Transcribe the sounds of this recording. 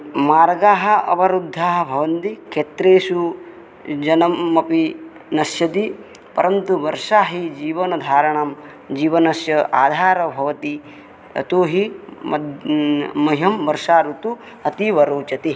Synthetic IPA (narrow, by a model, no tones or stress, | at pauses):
maːɾɡaːɦɐ̆ɐ̰pɐɾud̪ʱːaːɦɐ̆bʱɐʋɐnt̪ikʰeːt̪ɾeːʃu | d͡ʒɐnɐmːɐpi | nɐsjɐt̪i | pɐ̰ɾɐnt̪uʋɐɾʂaːɦid͡ʒiːʋɐnɐd̪ʱaːɾɐɳɐm | d͡ʒiːʋɐnɐsjɐʔaːd̪ʱaːɾɐbʱɐʋɐt̪i | ɐ̰t̪oːɦiɐ | mɐɦɐmʋɐɾʂaːɾut̪u | ɐt̪iʋɐɾoːt͡ʃɐt̪i